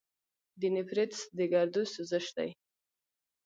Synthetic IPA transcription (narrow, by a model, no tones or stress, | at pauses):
d̪inɪpɾet̪sd̪əɡaɾd̪usuzəʃd̪a̰j